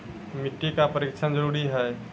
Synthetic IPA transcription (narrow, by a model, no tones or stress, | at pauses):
mɪʈːikapəɾikt͡ʃʰənd͡ʒəɾuːɾiɦɛː